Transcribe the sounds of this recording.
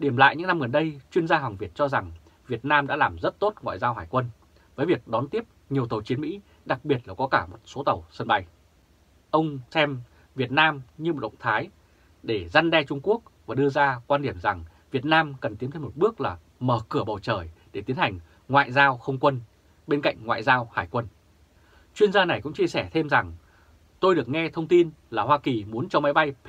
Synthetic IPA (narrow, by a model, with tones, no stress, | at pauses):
ɗi˧˩əmla̰ː˧˨jɲɨ̰˧˥ŋna˧mɣə˨˩nɗə˧jt͡ɕwi˧ənzaː˧ɦa˨˩wŋvi˨˩ət̚t͡ɕɔ˧za˨˩ŋ | vi˨˩ət̚naː˧mɗa̰ː˧˥laː˨˩mzə˦˥t̚t̪o˦˥t̚ŋwa̰ː˧˨jzaː˧wɦaː˧˩jkwə˧n | vəː˨˦jvi˨˩ək̚ɗɔ˨˦nt̪i˦˥əp̚ɲi˨˩əwt̪ə˨˩t͡ɕi˨˦ənmḭ˧˥ | ɗa˨˩k̚ɓi˨˩ət̚laː˨˩kɔ˨˦kaː˧˩mo˨˩t̚so˨˦t̪ə˨˩wsə˧nɓa˧j | ʔə˧wŋ͡msɛ˧m | vi˨˩ət̚naː˧mɲɨ˧m˨˩t̚ɗə̰˨ŋ͡mt̪ʰaː˨˦j | ɗe˧˩za˧nɗɛ˧t͡ɕʊ˧ŋ͡mku˦˥ək̚vaː˨˩ɗɨ˧əzaː˧kwaː˧nɗi˧˩əmza˨˩ŋ | vi˨˩ət̚naː˧mkə˨˩nt̪i˨˦mt̪ʰe˧mo˨˩t̚ɓɨ˦˥ək̚laː˨˩ | məː˧˩kɨ˧˩əɓə˨˩wt͡ɕəː˧˩jɗe˧˩t̪i˨˦ənha˨˩jŋ̟ | ŋwa̰ː˧˨jzaː˧wxə˧wŋ͡mkwə˧n | ɓe˧nka̰˧˨jŋ̟ŋwa̰ː˧˨jzaː˧whaː˧˩jkwə˧n | t͡ɕwi˧ənzaː˧na˨˩jkʊ̰˧˥ŋ͡mt͡ɕi˧əsɛ˧˩t̪ʰe˧mza˨˩ŋ | t̪o˧jɗɨ˨˩ək̚ŋɛ˧t̪ʰə˧wŋ͡mt̪i˧nlaː˨˩hwaː˧ki˨˩mu˨˦ənt͡ɕɔ˧ma˨˦jɓa˧jpʰ